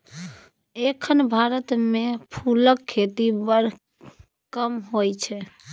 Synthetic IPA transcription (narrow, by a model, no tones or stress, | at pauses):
ekʰənbʱaɾət̪mepʰuləkʰːet̪ibəɾ | kəmɦojt͡ʃʰɛ